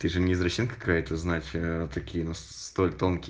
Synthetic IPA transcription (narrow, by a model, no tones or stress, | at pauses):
t̪ɨʐɨnʲɪzɾɐɕinkɐ̥kajət̪əznatʲt̪ɐkʲijənu | st̪olʲt̪onkʲɪ